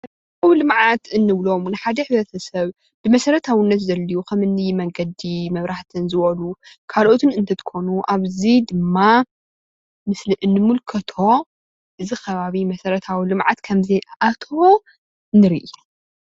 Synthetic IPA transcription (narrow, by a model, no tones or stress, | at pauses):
ɐ | awilɨmʕat̪ɨnːɨβlo̞mnɨħad̪ɐħɨβɾɐt̪ʰɐsɐβ | bɨmɐsɐɾɐt̪ʰawinːɐt̪zɐlːijukʰɐmɨnːɨjmɐŋɡɐd̪imɐβɾaħt̪ʰɨnzɨβɐlukʰalʔot̪ʰɨnɨnt̪ʰɐt̪ʰkʰo̞nuʔaβzid̪ɨmːa | mɨslɨʔɨnːɨmulkʰɐt̪ʰo̞ | ʔɨzixʰɐβaβimɐsɐɾɐt̪ʰawilɨmʕa̰t̪kʰɐmziʔat̪ʰo | ɨnːɨɾḭʔu